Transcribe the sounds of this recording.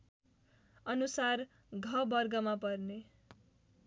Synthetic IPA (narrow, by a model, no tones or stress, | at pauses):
ʌnusar | ɡʱʌbʌrɡʌmapʌrne